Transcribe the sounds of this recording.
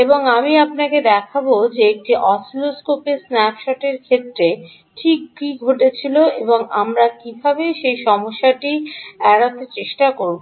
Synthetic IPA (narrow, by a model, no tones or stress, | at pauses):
eboŋamiapnaked̪ɛkʰabod͡ʑeek̚ʈiʔɔsloskopesnɛpʃaʈeɾkʰet̪ːɾe | ʈʰikːiɡʱoʈet͡ɕʰiloeboŋa̰mɾakibʱabeʃejʃɔmoʃːaʈiɛɽat̪et͡ɕeʃʈakoɾu